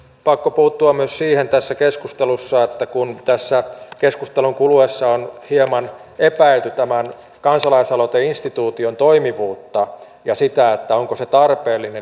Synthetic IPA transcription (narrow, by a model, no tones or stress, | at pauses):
pɑkːopuːt̪ːuɑmmyøssiːhent̪æsːækeskust̪elusːɑet̪ːækunt̪æsːækeskust̪eluŋkuluesːɑonhiemɑn | epæilt̪yt̪æmæn | kɑnsɑlɑisɑlot̪einst̪it̪uːt̪iont̪oimiʋuːt̪ːɑ | jɑsit̪æet̪ːæoŋkoset̪ɑrpeːlːine